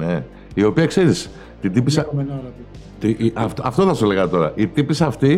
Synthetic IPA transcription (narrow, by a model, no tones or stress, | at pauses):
ne | io̞piɐkse̞ɾis | t̪id̪ipis | t̪iɐft̪ɐft̪o̞θɐsoleɣɐt̪o̞ɾɐ̰ʔit̪ipisɐft̪i